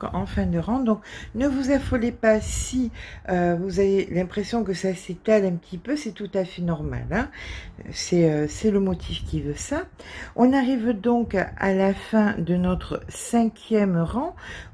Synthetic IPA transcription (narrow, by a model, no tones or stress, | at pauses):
ɑ̃fɛ̃d̪əʁɑ̃d̪ɔ̃knəvuzafɔlepasiøvuzavelɛ̃pχesjɔ̃kəsaset̪alɛ̃pət̪ʰipøsɛt̪ut̪afɛnɔʁma̰lɛ̃ | sɛøsɛləmɔt̪ʰifkʲivøsaɔ̃naʁivd̪ɔ̃ka̰lafɛ̃d̪ənɔt̪χəsɛ̃kʲjɛmʁɑ̃